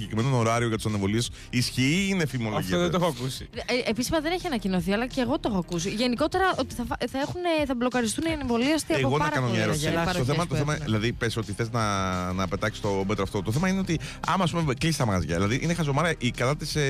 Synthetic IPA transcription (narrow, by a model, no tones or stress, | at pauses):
iʝekɾimnot̪oɾɐɾio̞ʝɐt̪usɐnevo̞liesː | sçiiinefimolʝoðet̪oxoɐkusiepisimɐðe̞neçiɐnɐcino̞θiɐlɐceːɣo̞t̪oxoɐkusiʝe̞niko̞t̪e̞ɾɐo̞t̪i̥θɐθɐexuneθɐblo̞kɐɾist̪uniɐneɱvo̞liost̪iɐepoɣoɾɐnomɐɾoɾtoθemɐt̪oθemɐðilɐðipesio̞t̪iθe̞znɐnɐpe̞t̪ɐksi̥st̪o̞met̪ɾoɐft̪ot̪oθe̞mɐineo̞t̪iɐ̰mɐspumeklisi̥t̪ɐmɐzʝɐ̰ðilɐðiʔinexɐzo̞mɐɾiɐʔikɐt̪ɐt̪ise